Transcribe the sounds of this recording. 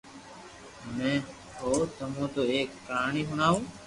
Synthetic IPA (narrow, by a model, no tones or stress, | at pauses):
ɦʊnẽː | ɦoːt̪əmõːt̪oːeːkːaːɳiːɦʊɳaːũː